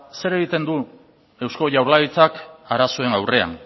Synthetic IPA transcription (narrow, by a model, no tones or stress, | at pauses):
se̞ɾe̞ɣ̞it̪e̞nd̪u | e̞wsko̞ʝawɾlait͡sakaɾaso̞e̞ŋawre̞a̰n